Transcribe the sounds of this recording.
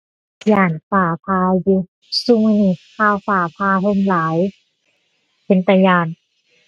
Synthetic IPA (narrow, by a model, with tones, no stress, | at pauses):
jaː˧˩nfaː˨˧˩pʰaː˧ju˧ | su˧˨ŋhi˧˩kʰaː˧˨wfaː˨˧˩pʰaː˧ɦo˧˨mlaː˨˦j | pʰe˨˦nt̪a˧jaː˧˩n